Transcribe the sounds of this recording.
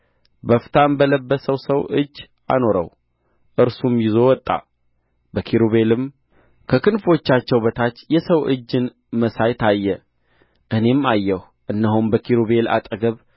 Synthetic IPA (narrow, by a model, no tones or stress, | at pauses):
bəft̪ʰaɨmbələbːəsəwsəwʔɨd͡ʒː | a̰no̞ɾə̰w | ʔɨɾsumjɪzo̞wɔt̪ʼːa̰ | bəkʰiɾuβe̞lɨm | kʰəkʰɨnfo̞t͡ʃːat͡ʃːɛwbət̪ʰat͡ʃːjɛsəwʔɨ̰d͡ʒːɨn | məsajt̪ʰajːɛ | ʔɨne̞majːɛh | ʔɨnːəɦumbəkʰiɾoβe̞la̰t̪ʼəɡəβ